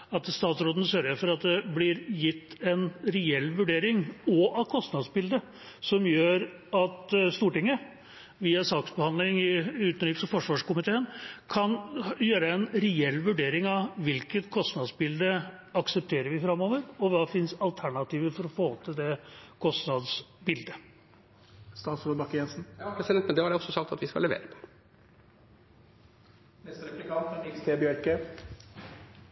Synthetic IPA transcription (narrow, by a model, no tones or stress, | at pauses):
ɑt̪st̪ɑːt̪sɾoːd̪ənəsœɾəɾfɔɾɑt̪̚d̪ɛblɪɾjɪt̪ːɛnɾɛɛlːʋʉɖeːɾɪŋɔʔɑkʰɔst̪nɑd̪sbɪld̪ə | sɔmjøːɾ | ɑt̪st̪uːʈɪŋːə | ʋiːɑsɑːksbəhɑnlɪŋɪʉːt̪nliːpsɔfɔʂʋɑːʂkʊmɪt̪ʰeːənkʰɑnjøːɾəɛnɾɛɛlːʋʉɖeːɾɪŋɑʋʋɪlkət̪kʰɔst̪nɑd̪sbɪld̪ə | ɑksəp̚t̪ʰeːɾəɾʋɪfɾɑmoːʋəɾɔʋɑːfɪnsɑlt̪ʰæɳɑt̪iːʋəɾfɔɾɔfoːt̪ʰəd̪ɛkʰɔst̪nɑd̪sbɪld̪ə | st̪ɑːt̪sflɔb̪ɑkːəjɛnsn̩pʰɾɛsɪd̪ɛnt̪mɛnd̪ɛhɑɾɛɔsːɔsɑk̚t̪ɑt̪ʋɪskɑ̰lɛʋḛːɾəpʰɔ̥ | nɛst̪əɾɛplɪkʰɑːt̪ɪst̪ʰebjøɾkə